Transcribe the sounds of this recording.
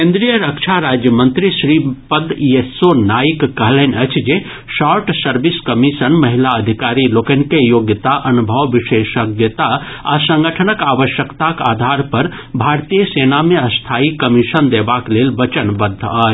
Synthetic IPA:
kẽnd̪ɾijəɾəkt͡ʃʰaɾad͡ʒjəmənt̪ɾisɾipəd̪jesonaikːəɦlɛnət͡ʃʰd͡ʒe | saɾʈsəɾbiskəmisənməɦilaəd̪ʱikaɾilokənkejoɡjət̪aʔənubʱəʋʋiʃeʃəɡjət̪a | a̰sə̃ŋɡəʈʰənəkaʋəʃjəkt̪aka̰ːd̪ʱaɾpəɾbʱaɾt̪ijəsenameəst̪ʰaikəmisənd̪ebaklelʋət͡ʃənbəd̪ʱːəːt͡ʃʰ

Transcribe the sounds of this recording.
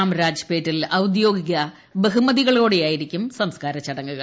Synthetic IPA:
aːmɾaːd͡ʑɐpeːtːilɐwd̪jo̞ːɡiɣʲɐ | beɦumɐðiɣɐɭo̞ːɽejaːjiɾikʲːumsɐmskaːɾɐt͡ɕːɐɽɐŋːuɣɐɭ

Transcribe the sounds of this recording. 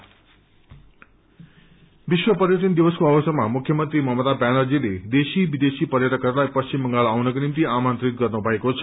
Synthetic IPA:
ʋiʃʋəpəɾjət̪ind̪iʋəskoaʋəsəmamukʰjəmənt̪ɾiməɦmət̪abænəɾd͡ʒiled̪eʃiʋid̪esipəɾjəʈʰəkːəɾlajpəst͡ɕimbəŋɡaɭawnəkonimt̪iamant̪ɾit̪̚ɡəɾnobʱəekot͡ʃʰə

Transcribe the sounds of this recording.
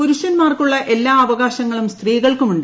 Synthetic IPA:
poɾuɕɐnmaːrkuɭːɐʔe̞lːaːɐʋɐɣaːɕɐŋːɐɭumst̪riːɣɐɭkumuɳɖɨ

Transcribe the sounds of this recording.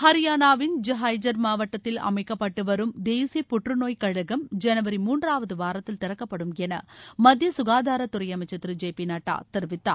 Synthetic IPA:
hɐɾɪjaːnaːʋɪnd͡ʒɐɦaːjd͡ʒɐɾmaːʋɐʈːɐt̪ːɪlɐ̰mɐɪkːɐpːɐʈːɯʋɐɾɯmd̪eːsijɐpʊʈrɯnoːjkɐɻɐɣɐmd͡ʒɛnɐʋɐɾimuːndraːʋɐðɯʋaːɾɐt̪ːɪlt̪ɪɾɐkːɐpːɐɽɯmɛnɐ̰mɐd̪ʱjɐsʊɣaːðaːɾɐt̪ʊɾɐjɐmɐɪt͡ʃːɐt̪ːɾɯd͡ʒeːpinaːʈːa̰ːt̪ɪɾɯʋɪt̪ːa̰ː

